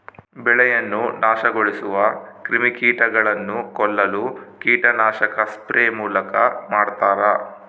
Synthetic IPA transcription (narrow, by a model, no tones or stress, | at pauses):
bɛɭɛjɐnːunaːʃɐɡoɭisuʋɐkɾimikiːʈɐɡɐɭɐnːukɔlːɐlukiːʈɐnaːʃɐkɐspɾʔeːmuːlɐkɐmaːɽt̪aːɾɐ